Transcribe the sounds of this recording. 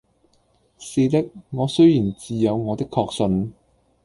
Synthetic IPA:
siː˧t̪ɪ˥k̚ŋɔː˨˧sɵ˥ɥjiː˨˩nt͡siː˨˧jɐ˨˧wŋɔː˨˧t̪ɪ˥kʰːɔː˧k̚sɵ˨˧n

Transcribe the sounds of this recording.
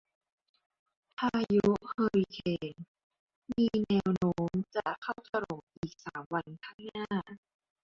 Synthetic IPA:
pʰaː˧ju˦˥hɤː˧ɾi˧kʰeː˧n | miː˧nɛː˧wnoː˦˥mt͡ɕa˨˩kʰa˥˩wt̪a˧ɾo˨˩mʔiː˨˩k̚saː˩˦mwa˧nk̪ʰa˥˩ŋnaː˥˩

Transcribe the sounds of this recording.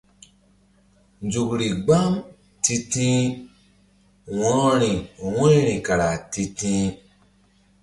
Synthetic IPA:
nd͡ʒu˨kɾi˨ɡ͡ba˦m | ti˧tĩ˦ | wɔ̃˨˦ɾɔ̃˦ɾĩ˨wẽ˦ɾĩ˨ka˨ɾa˨ti˧tĩ˦

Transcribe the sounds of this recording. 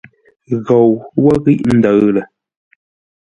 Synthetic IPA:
ɣo˨wwɔ˦ɣi˦ʔn̩˨də˨ɰlə˨

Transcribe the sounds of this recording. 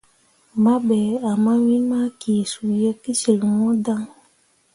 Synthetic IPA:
ma˦ɓɛ˨a˨ma˦wi˦ma˦ki˨su˨jɛ˦ki˦si˨lŋɔ˦da˦ŋ

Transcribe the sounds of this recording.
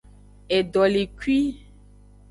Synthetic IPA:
e˨ɖɔ˨li˨kwi˦

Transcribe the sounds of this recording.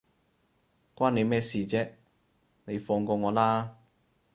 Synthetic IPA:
kwaː˥ne˨˧jmɛː˥siː˨˧t͡sɛː˥ | ne˨˧jfɔː˧ŋkɔː˧ŋɔː˨˧laː˥

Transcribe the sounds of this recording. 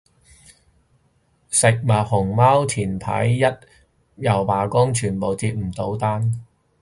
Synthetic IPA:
sɪ˨k̚ma˨˩t̚hʊ˨˩ŋmaː˥wt̪ʰiː˨˩npʰɐ̰˨˥jːɐ˥t̚ | jɐ˨˩wpaː˨˩kʊ˥ŋt͡ʃʰyː˨˩npo˨˩wt͡siː˧t̚m̩˨˩t̪o˨˥wt̪aː˥n

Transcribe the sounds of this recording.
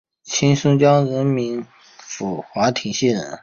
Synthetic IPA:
t͡ɕʰi˥nʂʊ˥ŋt͡ɕjɑ˥ŋɻə˧˥nmi˧˥n | fu˨˩xwa˧˥t̪ʰi˨˩ŋɕɛ˥˩nɻə̰˧˥˦n

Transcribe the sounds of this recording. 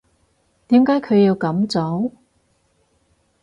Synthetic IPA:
t̪iː˨˥mkaː˨˥jkʰɵ˨˧ɥjiː˧wkɐ˨˥mt͡sɔ˨˥w

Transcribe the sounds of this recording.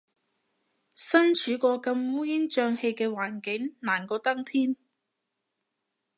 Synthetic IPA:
sɐ˥nt͡ʃʰyː˨˥kɔː˧kɐ˧mwuː˥ji˥nt͡ʃœː˧ŋhe˧jkɛː˧waː˨˩nkɪ˨˥ŋnaː˨˩nkɔː˧t̪ɐ˥ŋt̪ʰiː˥n

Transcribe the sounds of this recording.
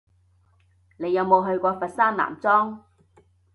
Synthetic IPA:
ne˨˧jːɐ˨˧wmo˨˧wɦɵ˧ɥkʷɔː˧fɐ˨t̚saː˥nla̰ː˨˩mt͡sɔː˥ŋ

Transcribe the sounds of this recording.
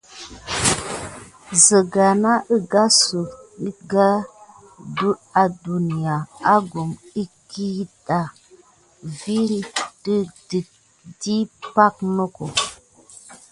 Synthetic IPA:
zə˨ɡa˨na˦ʔə˦ɡa˦su˨ki˦ɡa˦ | du˦a˨du˨ni˨a˨a˦ɡu˨mi˦ki˦ta˨ | vi˦ɾi˦də˦di˨t̚ | di˦pa˦k̚nə˦ko˨

